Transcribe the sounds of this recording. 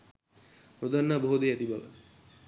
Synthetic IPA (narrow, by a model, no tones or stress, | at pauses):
ɾod̪ʱanːaboɦud̪eɛt̪ibalə̰